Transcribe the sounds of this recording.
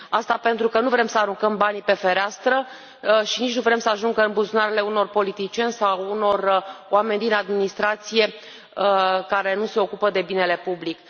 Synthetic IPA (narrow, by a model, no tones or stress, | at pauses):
ast̪ape̞nt̪ɾukənuvɾe̞msəaɾuŋkəmbanipe̞fe̞ɾeast̪ɾə | ʃinit͡ʃʲnuvɾe̞msəaʒuŋɡəɨmbuzunaɾele̞uno̞rpo̞lit̪it͡ʃije̞nʲsauno̞roame̞nʲd̪inad̪minist̪ɾat̪sije̞ | kaɾe̞nuse̞o̞kupəd̪e̞bine̞le̞publik